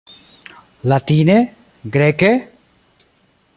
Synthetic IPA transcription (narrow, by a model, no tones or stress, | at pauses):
lat̪iːne | ɡɾɛke